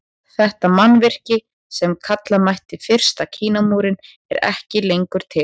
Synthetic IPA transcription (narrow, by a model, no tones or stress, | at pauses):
θɛht̪amanːvɪr̥cɪ | sɛmkʰat̪lamajht̪ɪfɪr̥st̪acʰiːnamuːɾɪn | ɛɾɛ̰hcɪlejŋkʏɾ̥t̪ʰɪ